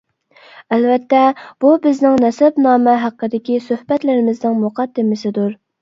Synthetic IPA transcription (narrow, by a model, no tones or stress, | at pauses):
ɛlvɛt̪ːɛb̥ubɪznɪŋnɛsɛbnɑːmɛɦæqʰːəd̪ɪkʲisøhbɛt̪lɪɾɪmɪznɪŋmʊqʰɑd̪ːɪmɪsɪd̪uɾ